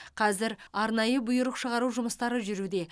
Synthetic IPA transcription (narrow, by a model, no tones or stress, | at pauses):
qʰɑzɪɾɑɾnɑjəbʊjʊɾəqʃəʁɑɾuʒʊməst̪ɑɾəʒʏɾud̪e̞